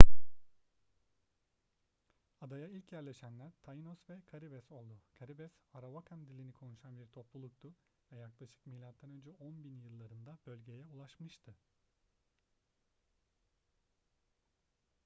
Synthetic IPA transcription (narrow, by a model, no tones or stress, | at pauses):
ad̪ajailʲcjæɾlʲeʃænlʲæɾt̪ʰajinosvɛkʰaɾibɛso̞lˠd̪ukʰaɾibɛsaɾavakʰamd̪ilʲinikʰo̞nuʃanbiɾt̪ʰo̞plˠulˠuk̚t̪ʊ | vɛjaklˠaʃɯ̥kmijlʲːat̪ʰːanø̞nd͡ʒɛʔo̞nbinjɯlˠːaɾɯnd̪ab̥ø̞lʲɟe̞jɛulˠaʃmɯʃt̪ʰɯ